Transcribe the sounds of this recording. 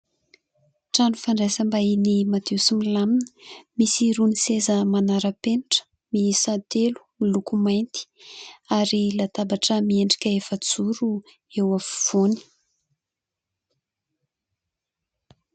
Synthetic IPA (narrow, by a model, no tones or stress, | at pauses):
ʈ͡ʂanufaɳɖ͡ʐesəmbainimat̪esimilaminə̥misiɾunisezəmanaɾəpeniʈ͡ʂə̥ | misat̪elu̥milukumajnt̪i̥aɾilat̪abaʈ͡ʂəmieɳɖ͡ʐi̥kʲəefət͡suɾu | ewafu̥v̥oni̥